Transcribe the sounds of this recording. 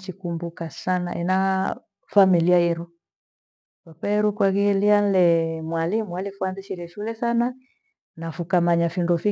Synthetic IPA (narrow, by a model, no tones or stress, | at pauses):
t͡ʃikumbukasana̰ʔɛ̰na | familiajɛɾu | papaɛɾukwaɣilian̩lɛmwalimwalifuanziʃiɾɛʃulɛsana | nafukamaɲafindɔfi